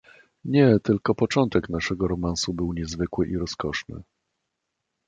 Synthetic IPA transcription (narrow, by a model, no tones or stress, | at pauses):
ɲɛt̪ɘlkɔpɔt͡ʂɔnt̪ɛknaʂɛɡɔɾɔmansubɘwɲɛzvɘkwɘʔiɾɔskɔʂnɘ̰